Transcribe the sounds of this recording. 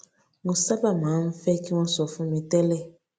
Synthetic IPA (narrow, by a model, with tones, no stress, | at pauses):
ŋɡu˨sa˦ba˦˨mã˨˦m̩˦fɛ˦ki˦wɔ̃˦sɔ˨fũ˦mĩ˨tɛ˦lɛ˦˨